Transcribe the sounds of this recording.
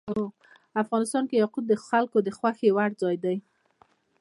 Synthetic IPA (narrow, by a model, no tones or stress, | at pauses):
o | afɣɑnɪst̪ɑnkejaqud̪d̪əxalkod̪əxwaxewaɽd͡zɑjd̪aj